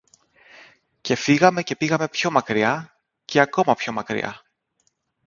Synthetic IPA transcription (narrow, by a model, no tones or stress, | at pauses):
ce̞fiɣɐme̞ce̞piɣɐme̞pço̞mɐkɾiɐ | ce̞ɐko̞mɐpço̞mɐkɾḭɐ̰